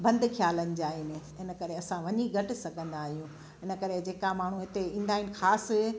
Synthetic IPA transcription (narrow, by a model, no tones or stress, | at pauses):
bɐ̃nd̪kʰjaːlənɪ̆d͡ʑaːɦɪnɪɦɪnə̆kɐɾeɐsãʋɐɲiɡʱɐʈɪ̆sɐɡʱə̃nd̪aːɦijũ | ɦɪnə̆kɐɾed͡ʑeːkamaːɳ̤ũɦɪt̪eĩːnd̪aːɪnɪ̆xaːs